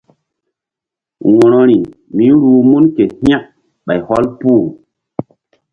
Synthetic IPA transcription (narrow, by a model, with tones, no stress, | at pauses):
wɔ̃˨ɾo˨ɾi˨ | mi˨˦ɾuː˨mu˦nke˨hĩ˦a˦k̚ | ɓa˨jhɔ˦lpu˦˨